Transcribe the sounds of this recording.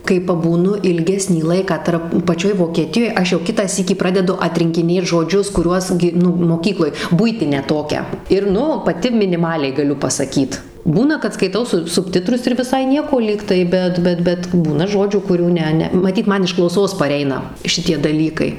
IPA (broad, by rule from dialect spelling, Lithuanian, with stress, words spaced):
kɐɪ pɐbuːˈnʊ ɪlʲˈɡʲæːsʲnʲiː ˈlˠɐɪkɑː ˈtɐrp pɐˈt͡ʃʲoːj ʋoːkʲɛˈtʲɪjoːj ˈɐʃ jɛʊ ˈkʲɪtɑː ˈsʲiːkʲiː ˈprɑːdʲɛdʊ ɐtʲrʲɪŋʲkʲɪˈnʲeːt ʒoːˈd͡ʒʲʊs kʊˈrʲuɔs ɡʲɪ ˈnʊ moːˈkʲiːklˠoːj ˈbʊɪtʲɪnʲæː ˈtoːkʲæː ɪr ˈnʊ pɐˈtʲɪ mʲɪnʲɪˈmɑːlʲɛɪ ɡɐˈlʲʊ pɐsɐˈkʲiːt ˈbuːnɐ kɐt skɐɪˈtɐʊ sʊ sʊpʲˈtʲɪtrʊs ɪr ʋʲɪˈsɐɪ ˈnʲiɛkoː ˈlʲiːktɐɪ ˈbʲɛt ˈbʲɛt bʲɛt ˈbuːnɐ ˈʒoːd͡ʒʲuː kʊˈrʲuː ˈnʲɛ ˈnʲɛ mɐˈtʲiːt ˈmɐn ɪʃ klˠɐʊˈsoːs pɐˈrʲɛɪnɐ ˈʃʲɪtʲiɛ dɐˈlʲiːkɐɪ